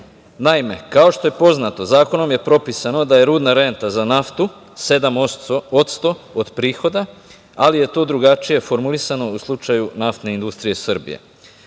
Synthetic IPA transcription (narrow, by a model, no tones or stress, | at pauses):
naime̞̰kao̞ʃt̪o̞je̞po̞znat̪o̞zaːko̞no̞mje̞pɾo̞pisano̞d̪aje̞ɾuːd̪naɾe̞nt̪azanaft̪u | se̞d̪amooot̪st̪o̞od̪pɾiːxo̞d̪a | alije̞t̪o̞ːd̪ɾuɡat͡ʃije̞fo̞ɾmulisano̞uslˠut͡ʃajunaft̪ne̞ind̪ust̪ɾije̞srbḭje̞̰